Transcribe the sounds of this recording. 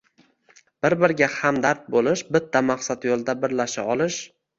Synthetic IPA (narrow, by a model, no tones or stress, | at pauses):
b̥ɪɾbɪɾɡʲahamd̪aɾt̪̚bolɪʃbɪt̪ʰːamaqsat̪jolˠd̪abɪɾlaʃaɒlˠɪʃ